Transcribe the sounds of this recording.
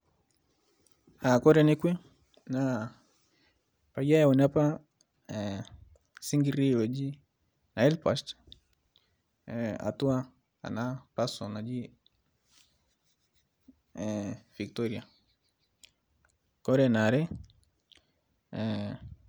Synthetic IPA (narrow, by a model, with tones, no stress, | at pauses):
a˨kɔ˦ɾɛnɛ˦kwɛ˦ | na | pa˨ia˦jaɔ˨na˦pa˦ | si˦ŋɡi˦ɾi˦wɛ˨d͡ʒi˦ | na˨ɛ˦lpast | a̰˨tu˦a˦ | a̰˨na˦pasɔ˨na˨d͡ʒi˦ | vi˨ktɔɾia | kɔ˦ɾɛ˦na˨ɾɛ˦